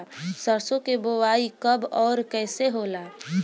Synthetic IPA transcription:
səɾsõkebowaːikəbɔːɾkɛːseɦoːlaː

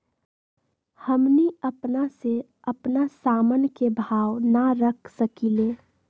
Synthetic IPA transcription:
həmniəpnase | əpnasaːmənkebʱaːwnaɾəkʰsəkileː

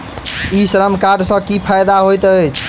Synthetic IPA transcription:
isɾəmkaɖsə̃kipʰajd̪aɦojt̪əjt͡ʃʰ

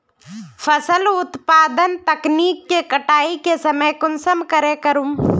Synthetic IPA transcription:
fʰəsəlʊt̪paːd̪ənt̪ɐkniːkːekəʈaːikesɐməjkʊnsəmkəɾekəɾum

